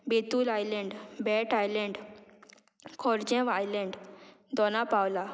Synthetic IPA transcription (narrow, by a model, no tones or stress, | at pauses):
bet̪uːlajlɛ̃ɳɖbɛʈajlɛ̃ɳɖ | kʰɔɾd͡ʑɛ̃ʋajlɛ̃ɳɖ | d̪ɔnapawla